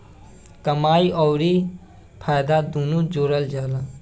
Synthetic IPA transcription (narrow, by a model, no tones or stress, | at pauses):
kɐmaːjɔwɾi | pʰajd̪ad̪unud͡ʒoːɾəld͡ʒaːla